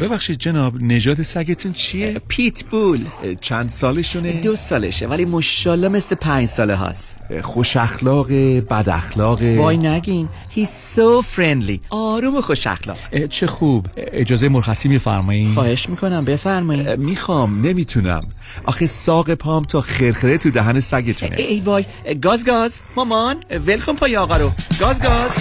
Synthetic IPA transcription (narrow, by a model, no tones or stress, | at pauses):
b̥e̞bæxʃid̪̚d͡ʒe̞nɒːbne̞d͡ʒɒːd̪esæɟe̞t̪ʰunt͡ʃʰijepʰit̪ʰb̥ult͡ʃʰænd̪sɒːleʃuned̪osɒːlḛʃḛvælimoʃːɒːlːɒme̞slepʰæɲd͡ʒsɒːleɦɒ̰sxo̞ʃæxlɒːɣebæd̪æ̰xlɒːɣevɒːjnæɡin | hiːzsofɾend̪liʔɒːɾumoxo̞ʃæ̰xlɒ̰ːɡ̥t͡ʃʰexubed͡ʒɒːzejemoɾxæsiːmifæ̰ɾmɔixɒːhe̞ʃmiːkʰo̞næmbe̞fæɾmɔːiːiːxɒmne̞miːt̪ʰunæ̰m | ʔɒ̰ːxesɒːɣepʰɒːmt̪ʰɒːxeɾxeɾet̪ʰud̪æɦænesæɟet̪ʰṵneejvɒːj | ɡɒːzɡɒzmɒmɒnvelkʰompʰɒːjeɒːɣɒɾoɡ̥ɒːzɡɒz̥